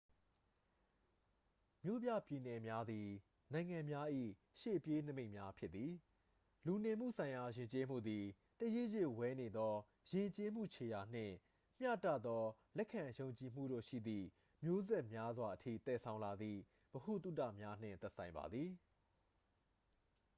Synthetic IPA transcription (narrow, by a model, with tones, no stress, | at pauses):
mjo˦bja̰˦˨pji˨nɛ˨mja˦d̪i˨ | nã˨ɪ̃ŋã˨mja˦ʔḭ˦˨ | ʃe˦˨pje˦nə˦me˦ɪ̃˨mja˦pʰjɪ˦t̪t̪ːi˨ | lu˨ne˨m̥ṵ˦˨sʰã˨ɪ̃ja˨jɪ̃˨ɲt͡ɕe˦m̥ṵ˦˨d̪i˨ | tə˨je˦˨jɪ˦˨wɛ˦ne˨d̪ɔ˦ | jɪ̃˨ɲt͡ɕe˦m̥ṵ˦˨t͡ɕʰe˨ja˨n̥ɪ̰̃˦˨ | m̥jä̰˦˨tä̰˦˨d̪ðɔ˦lɛ˦ʔkʰːã˨jõ˨ʊ̃ɲt͡ɕi˨m̥ṵ˦˨ɾo̰˦˨ʃḭ˦˨d̪ðḭ˦˨ | mjo˦zɛ˦ʔmja˦zwa˨ʔətʰḭ˦˨t̪ɛ˨sʰã˦ʊ̃la˨d̪ðḭ˦˨ | b̥əhu˦˨t̪ṵ˦˨tä̰˦˨mja˦n̥ɪ̰̃˦˨t̪ɛ˦ʔsʰã˨ɪ̃mba̰˨d̪ði˨